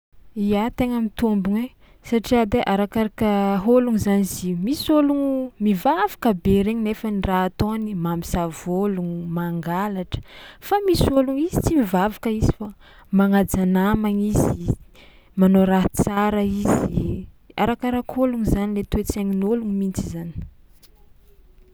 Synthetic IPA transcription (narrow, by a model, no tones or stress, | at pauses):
iat̪eŋamit̪ombuŋe | saʈ͡ʂiad̪eʔaɾakaɾakəɦoluŋizanizimisoluŋmivavḁkəbeɾeɲinefəniraat̪onimamisavoluŋumaŋɡalaʈ͡ʂə̥famisoluŋizit͡simivavakəizifa | maŋad͡zanamaŋizi | manoɾaɦt͡saɾaizi | a̰ɾakaɾakoluŋizanilet̪uet͡saŋinoluŋmint͡sizani̥